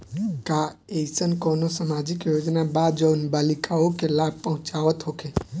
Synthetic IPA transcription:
kaesənkonosamad͡ʒɪkjod͡ʒnabad͡ʒənbaːlikaokelab̚pəɦʊ̃t͡ʃaʋət̪ɦokʰe

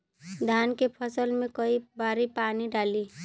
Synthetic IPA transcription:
d̪ʱaːnkepʰəsəlmẽkəibaːɾipaːniɖaːliː

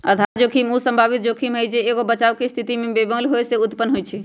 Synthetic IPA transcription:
əd̪ʱaɾd͡ʒokʰimusəmbʱabit̪̚d͡ʒokʰimɦəjd͡ʒeːɡobət͡ʃaʊkest̪ʰit̪imebebəlɦojseut̪pənːɦojt͡ʃʰɛ

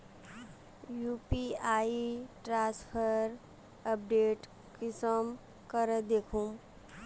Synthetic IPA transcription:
juːpiaːiʈɾãspʰəɾ | əp̚ɖeːʈ | kɪsəm | kəɾəd̪eːkʰum

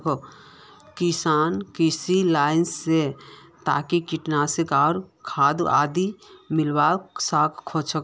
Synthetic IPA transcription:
k | kisaːnkisilaːɪnset̪aːkikiʈnaseɡaːɾkʰaːd̪aːd̪imɪlbasaːkkʰot͡ʃʰək

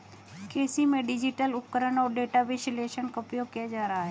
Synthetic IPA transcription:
keːsimẽɖɪd͡ʒiʈəlʊp̚kəɾənɔːɾɖeːʈaʋeʃɪleːʃənkɐpjokɪjad͡ʒaːɾaɦaɦeː

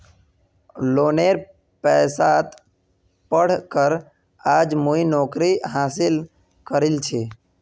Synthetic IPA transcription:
loːneɾ | pɛːsat̪ | pəɽ̤kəɾ | aːd͡ʒmoinɔːkɾiɦaːsɪl | kəɾɪlt͡ʃʰeː

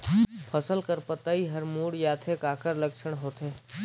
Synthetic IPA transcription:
pʰəsəlkəɾpət̪aiɦəɾmuːɽjaːt̪ʰekaːkəɾləkʃəɽɦoːt̪eː

